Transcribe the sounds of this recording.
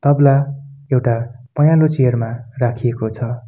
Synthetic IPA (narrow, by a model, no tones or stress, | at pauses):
t̪ʌblaewʈapʌjãlot͡sijʌrmarakʰijekot͡sʰʌ